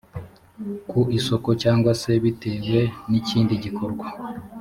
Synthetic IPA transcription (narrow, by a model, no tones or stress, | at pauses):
kuiso̞ko̞caːŋɡwase̞βite̞ːɡwe̞niciːndiɟiko̞ɾɡwa